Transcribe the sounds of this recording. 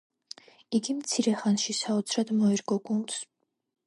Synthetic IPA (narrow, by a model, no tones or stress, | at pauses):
iɡimt̪sʰiɾɛχanʃisaɔt̪sʰɾad̪mɔiɾɡɔɡund̪s